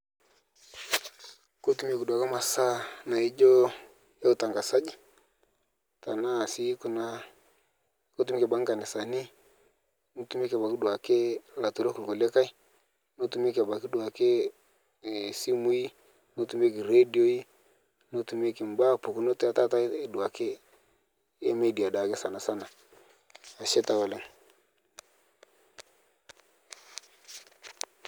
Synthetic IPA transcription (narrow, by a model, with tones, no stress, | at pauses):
ko˦tu˨m˦e˦ku˨da˨ka˦ma˨sa˦na˨i˦d͡ʒɔ˦ | ja˦u˨ta˨ŋɡa˨sa˦d͡ʒi˦ | ta˨na˦˨si˦ku˨na˦ | ko˦tu˨mi˦ki˨ba˦ŋɡa˨nɛ˨sa˨ni˦ | no˦tu˨˦m˦kba˨ki˦dwa˨ke˦la˨tu˨ɾo˦ku˨o˨le˦ka˦i˦ | no˦tu˨m˦kba˨ki˦dwa˨ke˦˨ | si˦mu˦i˦ | no˦tu˨˦m˦e˦ki˨ɾe˦di˨o˦i˦ | no˦tu˨me˦ki˨m˨ba˦˨pu˨ku˨˦no˦ta˦ta˦ta˦du˨a˨ke˦ | e˦me˦˨di˨a˨da˨ke˦sa˨na˨sa˦na˨ | a˨ʃɛ˦ta˦wɛ˨lɛ˦ŋ